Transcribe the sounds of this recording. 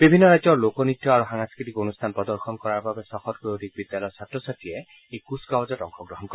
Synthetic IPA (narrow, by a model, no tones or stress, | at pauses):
bibʱinːɔɾajd͡ʒɔlokɔnit̪ʰjɔaɹuɦaŋaskɹit̪ikonust̪ʰanpɹɔd̪ɔɹxɔnkɔɹaɹbabesɔxɔt̚kood̪ʱik̚bid̪jalɔjsatːɔsat̪ie | ejkuskawd͡ʒɔtɔŋkʰɔɡɹɔɦɔnkɔ